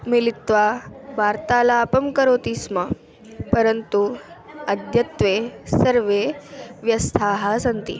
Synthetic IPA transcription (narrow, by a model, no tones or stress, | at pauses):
milit̪ʋabaɾt̪alaːpəmkəɾot̪isma | pəɾənt̪u | əd̪ʱjət̪ʋesəɾʋeʋjɐst̪ʰaɦasənt̪ḭ